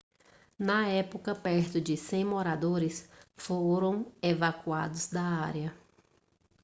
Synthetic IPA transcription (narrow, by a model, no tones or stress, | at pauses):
nɐɛpokɐpɛɾt̪ʊd͡ʒɪsẽj̃moɾad̪oɾɪsfoɾɐ̃w̃evakua̰d̪ʊzd̪ɐaɾjɐ